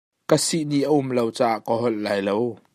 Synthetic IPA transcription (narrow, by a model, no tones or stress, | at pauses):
kəsiʔniʔəʔʊmlowt͡saːʔkɔɦɔllaːjlow